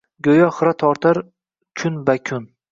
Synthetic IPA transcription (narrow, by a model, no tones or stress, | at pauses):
ɡʲojɒχɾat̪ʰɒɾt̪ʰaɾ | kʰʊnbakʲʰʊn